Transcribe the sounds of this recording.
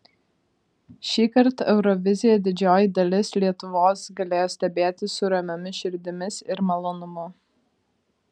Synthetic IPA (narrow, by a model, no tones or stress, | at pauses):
ʃʲiːkɐɾt̪ɛʊɾɔʋʲɪzʲɪjɛd̪ʲɪd͡ʒʲoːjid̪ɐlʲɪslʲiɛt̪ʊʋoːsɡɐlʲeːjoːsʲt̪ʲɛbʲeːt̪ʲɪsʊɾɐmʲɛmʲɪʃʲɪɾʲd̪ʲɪmʲɪsɪɾmɐlˠoːnʊmʊ